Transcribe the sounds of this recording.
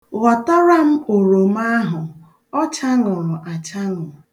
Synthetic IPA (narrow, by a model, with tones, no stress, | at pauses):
ɣɔ˨tɔ˦ɾa˦m̩˦o˨ɾo˨m˦a˦ɦʊ˨ | ɔ˦t͡ʃa˦ŋʊ˨ɾʊ˨ʔa˨t͡ʃa˦ŋʊ˨